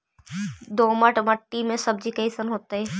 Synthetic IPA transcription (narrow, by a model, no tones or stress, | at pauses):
d̪oːməʈməʈːimẽsɐb̚d͡ʒikeiɪsənɦoːt̪aɦɛː